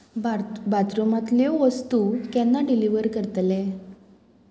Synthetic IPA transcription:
bat̪ɾomat̪ljoʋəst̪ukɛnːaɖiliʋəɾkəɾt̪le

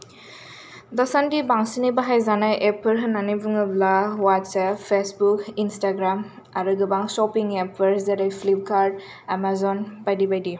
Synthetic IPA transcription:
dɔsandibaŋsinibaɦajzanajʔepʰɯɾɦɯnanibuŋɯblawatsapʰːesbukinstaɡɾam | aɾɯɡɯbaŋsɔpiŋepʰɯɾzeɾajpʰlip̚kʰaɾd̚ | amazɔnbajdibajdi

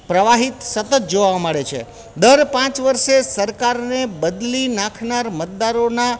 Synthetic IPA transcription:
pɾəʋaɦit̪sət̪ət̪̚d͡ʒoʋaməɭet͡ʃʰḛ | d̪əɾpãt͡ʃʋəɾʃesəɾkaɾnebəd̪linãkʰnaɾmət̪̚d̪aɾona

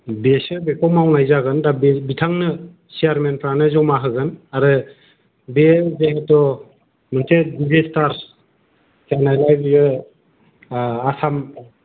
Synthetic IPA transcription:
besɯbekʰɔmawnajzaɡɯndabbitʰaŋnɯ | sejaɾmenpʰɾanɯzɔwmaɦɯɡɯnaɾɯ | bezeɦetɔ | mɯnsʰedizestaɾ | sanajlajbijɯ | asam

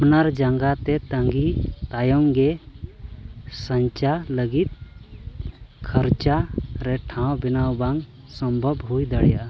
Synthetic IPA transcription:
pnaɾd͡ʒaŋɡat̪ɛt̪ə̃ŋɡit̪ajɔmɡɛ | səɲt͡ʃaləɡit̪̚ | kʰəɾt͡ʃaɾɛʈʰãwbinawbaŋ | sɔmbʱɔbɦujd̪əɽja

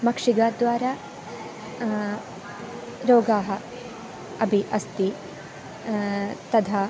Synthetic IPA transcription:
mɐkʂiɡaːd̪ʋaːɾaː | ɾoːɡaːɦɐ | ɐbʱiʔɐst̪i | t̪ɐd̪ʱaː

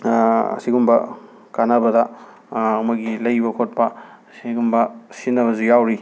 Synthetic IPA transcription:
ɐ̰siɡumbɐ | kanɐbɐdɐ | ɐmɐɡilɐjbɐkʰot̚pɐ | siɡumbɐsinːɐβɐzujawɾi

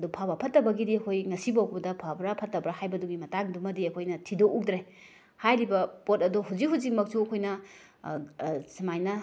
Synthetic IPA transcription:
dopʰabɐpʰɐtːɐbɐɡidiɐkʰojŋɐsibawkbɐdɐpʰabɾɐpʰɐtːɐbɾahajbɐduɡimɐtaŋdumɐdiɐkʰojnɐtʰidoʔuk̚dɾe | hajɾibɐpotɐdoɦuzikɦuzik̚mɐk̚suɐkʰojnɐ | simajnɐ

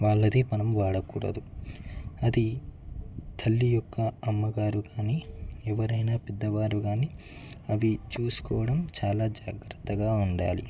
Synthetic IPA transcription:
ʋaːɭːɐd̪imɐnɐmʋaːɽɐkuːɽɐ̰d̪u | ɐd̪i | t̪ʰɐlːijɔkːɐmːɐɡaːɾuɡaːniːɛʋɐɾɐjnaːpɛd̪ːɐʋaːɾuɡaːniː | ɐʋit͡ʃuːsu̥kɔːʋɐɽɐmt͡ʃaːlaːd͡ʒaːɡɾɐt̪ːɐɡaːuɳɖa̰ːlḭ

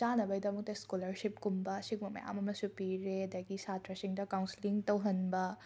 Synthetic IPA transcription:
t͡ʃanɐbɐjdɐmuk̚tɐskulɐɾsip̚kumbɐsik̚mɐmɐ̰ja̰mɐmɐsupiɾeɐdɐɡisatɾɐsiŋdɐkawnsiliŋtɐwɦɐnbɐ

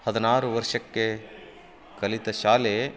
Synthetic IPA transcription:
hɐd̪ɐnaːɾuʋɐɾʂɐkːe | kɐlit̪ɐʃaːle

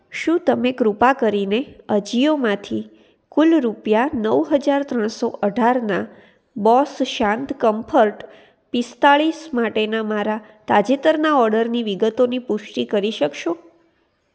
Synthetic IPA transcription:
ʃũt̪əmeɡɾupakəɾineəd͡ʒijomãt̪ʰi | kulɾupjanəʋɦəd͡ʒaɾt̪ɾəɳ̃soʔəɖʱaɾna | bɔsʃãnt̪kəmpʰəɾʈ | pɪst̪aɭismaʈenamaɾa | t̪ad͡ʒet̪əɾnaɔɾɖəɾniʋiɡət̪onipʊʃʈikəɾiʃəkʃo

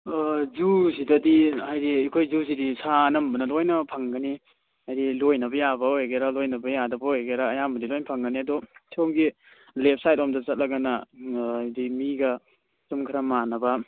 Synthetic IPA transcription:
zusidɐdihajdiikʰojzusidisanɐmbɐnɐlojnɐpʰaŋɡɐni | hajɾilojnɐbɐjabɐojɡeɾalojnɐbɐjadɐbajɡeɾaːjambɐdilojnpʰaŋɡɐniɐdɔsomɡi | lep̚sajt̚ɔmdɐt͡ʃɐt̚lɐɡanɐjdimiɡɐ | sumkʰaɾamanɐbɐ

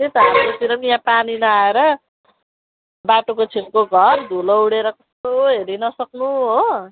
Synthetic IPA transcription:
t̪et̪ʌamkot̪iɾʌmjãpaninʌaeɾʌ | baʈokot͡sʰimkoɡʱʌrd̪ʱulouɽeɾʌkʌst̪oɦeɾinʌsʌknuɦo

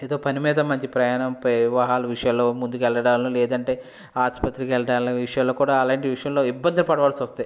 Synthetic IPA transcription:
eːd̪oːpɐnimiːd̪ɐmɐɲt͡ʃipɾɐjaːɳɐmpɐʋʋaɦaːluʋiʂɐjɐmloːmund̪ukɛlːɐɽaːnlolɛːd̪ɐɳʈe̞ː | aːspɐt̪ːɾikɛlɐɽaːnlɐʋiʂɐjɐmloːkuːɽaːɐlaːɳʈiʋiʂɐjɐmlo̞ːibːɐnd̪ɐlɐpɐɽɐʋaːlɐsʋɐst̪ɐi

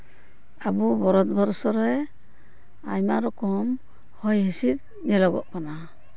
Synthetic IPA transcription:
abubɔɾɔt̪̚bɔɾsɔɾɛj | ajmaɾɔkɔm | hɔjɦisit̪̚ | nɛlɔɡɔ̰ʔkana

